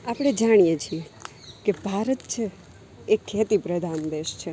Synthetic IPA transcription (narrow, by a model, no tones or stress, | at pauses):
apɽ̃ed͡ʒaɽ̃ijet͡ʃʰie | kebʱaɾət̪̚t͡ʃʰeː | kʰːeːt̪ipɾəd̪ʱand̪eʃt͡ʃʰe